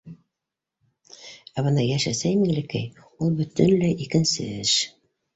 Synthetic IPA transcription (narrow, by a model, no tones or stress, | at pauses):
æβɤ̆nɑjæʃæsæjmiŋlɘkæj | ulˠbɵ̆t̪ɘnlæʔikɘ̆nsɘ̰ɘʃ